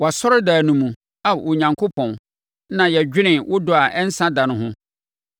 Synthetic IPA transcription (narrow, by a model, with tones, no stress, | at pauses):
wa˨sɔ˦ɾɪ˦daː˨nũ˨mũ˨ | a˨wo˨ɲã˨ŋkʰo˦pʰɔ̃˨n | nã˨jɛ˨d͡ʑᶣɪ˦nɪ̃˨wʊ˦dʊ˨a˨ʔɛ˦n̩˦sã˦dã˨nʊ̃˨ɦʊ̃˦